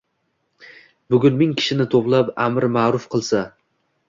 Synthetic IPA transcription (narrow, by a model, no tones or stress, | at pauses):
bʊɡʲʊnmɪŋkʲʰɪ̥ʃɪnɪt̪ʰoplˠapamɾmaɾʊfqʰɨlˠsa